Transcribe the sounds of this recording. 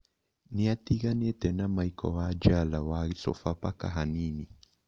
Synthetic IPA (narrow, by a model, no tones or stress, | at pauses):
niat̪iɣanɛt̪ɛnamaikʰɔ̰wad͡ʒalawaɣisɔ̰fapaka̰ɦanini